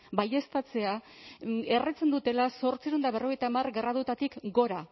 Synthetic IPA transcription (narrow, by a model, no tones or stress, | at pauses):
baje̞st̪at͡se̞a | e̞ret͡se̞nd̪ut̪e̞laso̞ɾt͡siɾond̪aβe̞ro̞ɣ̞ejt̪amarɡeraðut̪at̪ikɡo̞ɾa